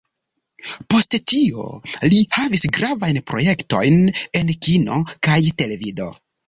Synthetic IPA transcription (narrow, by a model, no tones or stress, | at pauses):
po̞sttio̞̰lihavisɡɾavajnpɾo̞je̞kto̞̰jne̞nkino̞kajte̞le̞vido̞̰